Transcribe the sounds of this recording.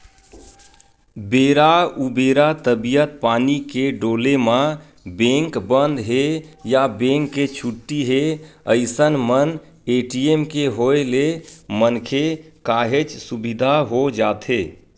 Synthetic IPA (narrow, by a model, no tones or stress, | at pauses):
beɾaubeɾat̪əbijət̪̚panikeɖolemã | bẽŋkbənd̪ɦejabẽŋkːet͡ʃʰuʈːiɦeəɪsənmən | eʈiemkeɦoelemənkʰekaɦet͡ʃsubid̪ʱaɦod͡ʒat̪ʰe